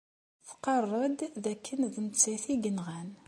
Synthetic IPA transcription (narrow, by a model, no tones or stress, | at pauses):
θqɑrˤːɑd̪ðækːənðəmt͡sːæθiɡənʁæn